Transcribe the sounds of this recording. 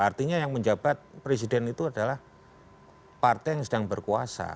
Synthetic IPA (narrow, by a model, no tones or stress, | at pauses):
art̪iɲajaŋməɲd͡ʒab̥at̪̚pɾes̬idɛnit̪uadalah | part̪ɛjaŋsədaŋbərkuasa̰